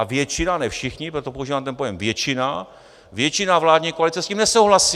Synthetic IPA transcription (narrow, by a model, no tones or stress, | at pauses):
avjɛt͡ʃɪnanɛfʃɪxɲɪpɾot̪opouʒiːvaːmt̪ɛnpo̞jɛmvjɛt͡ʃɪna | vjɛt͡ʃɪnavlaːdɲiːkoalɪt͡sɛsciːmnɛsowɦlasi